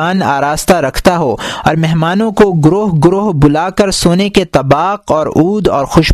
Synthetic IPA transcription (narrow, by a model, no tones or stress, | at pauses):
aːna̰ːɾaːzt̪aɾɐkʰt̪aɦoɔ̰ːɾmɛɦmaːnõkoɡʊɾoːɦɡʊɾoːɦbʊlaːkɐɾsoːneket̪ɐbaːqɔːɾuːd̪ɔːɾxʊʃ